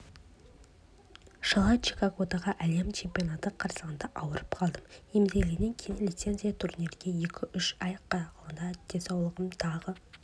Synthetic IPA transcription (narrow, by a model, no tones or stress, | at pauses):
ʃəlˠɑt͡ʃikaɡot̪aʁɑʔæle̞mt͡ʃʰe̞mpʲijo̞nat̪əqʰɑɾsəʁənd̪ɑʔɑwəɾəpqʰɑlˠd̪əmemzelɡʲene̞ŋkʲʰejɪnlʲijt̪se̞nzijat̪ʰuɾniɾɡʲeje̞kʲʰɪʔʏʃɑjəqːɑt̪ɑqʰlˠənd̪ɑd̪̥e̞sɑwlˠəʁəmt̪ʰɑʁə